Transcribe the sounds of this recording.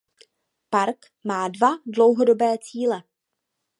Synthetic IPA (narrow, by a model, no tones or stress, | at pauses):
paɾk | maːdvadlo̞wɦo̞dobɛːt͡siːlɛ